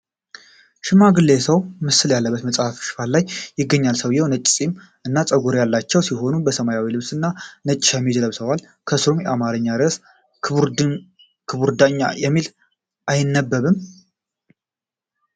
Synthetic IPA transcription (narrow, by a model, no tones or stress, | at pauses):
ʃɪmaɡɨlːesəwmɨsɨljalːəbːət̪məsʼhafʃɪ̥fallːajːɪɡːəɲːalsəwjɛwnət͡ʃʼːsʼim | ʔɨnːat͡sʼəɡuɾjalːat͡ʃːɛwsiɦo̞nubəsəmajawilɨβsɨnːanət͡ʃʼɪʃamːid͡ʒələβsəwal | kʰəsɾomjɛʔamaɾɨɲːad̪ɾəs | kʰɨβuɾd̪aɲːa̰jɛmːil | ʔajɪnːəbːəβɨm